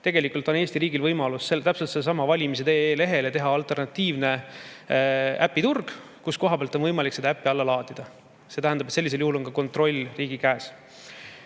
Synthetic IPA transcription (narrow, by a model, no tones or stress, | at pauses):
t̪e̞ɡe̞likˑult̪ˑone̞ːst̪iɾiːɡilvɤjmɑlusːet̪æpselt̪selːsɑmɑvɑlʲimis̬e̞t̪eːle̞ɦe̞let̪e̞ɦɑɑlt̪ˑe̞rnɑt̪ːiːvne̞ | æpːˑit̪urɡ̥ | kusko̞ɦɑb̥eɑlt̪o̞nvɤjmɑliksed̪ɑæpːiɑlːɑlɑːd̪id̪̥ɑ | se̞t̪æɦænd̪ɑbet̪se̞lːis̬eljuhulo̞nkɑko̞nt̪ro̞lʲriːɡ̥ikæːs